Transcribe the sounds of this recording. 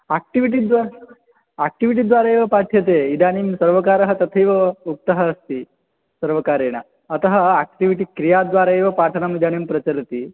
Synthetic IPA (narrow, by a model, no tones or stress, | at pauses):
aːk̚ʈiʋiʈ̬id̪ʋa | aːk̚ʈiʋiʈ̬id̪ʋaːɾaeːʋɐpaːʈʰjɐt̪̬eːid̪aːnimsɐɾʋɐkaːɾɐɦɐt̪ɐt̪ʰɐjʋɐuk̚t̪ɐɦɐːst̪i | sɐɾʋɐkaːɾeːɳ̃a̰ | ɐt̪ɐɦɐaːk̚ʈiʋiʈ̬ikɾijaːd̪ʋaːɾaːeːʋɐpaːʈʰɐnɐmid̪aːnimpɾɐt͡ʃɐɾɐt̪i